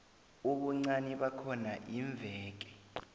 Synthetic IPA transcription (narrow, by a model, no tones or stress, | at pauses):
uɓuŋ͡ǀaniɓakʰɔnaʔiɱb̪vʱɛːk̬ɛ̥